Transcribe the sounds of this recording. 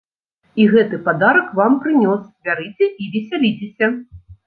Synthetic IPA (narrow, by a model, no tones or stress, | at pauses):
iɣɛt̪ɨpad̪aɾɐkvampɾɨnʲɔsbʲaɾɨt͡sʲɛʔivʲɛsʲalʲit͡sʲesʲɐ